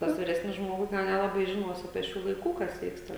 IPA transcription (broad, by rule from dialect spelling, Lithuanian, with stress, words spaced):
ˈtɐs ʋʲɪˈrʲæːsʲnʲɪs ˈʒmoːɡʊs tʲɛn ˈnʲæːlˠɐbɐɪ ʒʲɪˈnuɔs ɐpʲiɛ ˈʃʲuː lˠɐɪˈkuː kɐs ˈʋʲiːkstɐ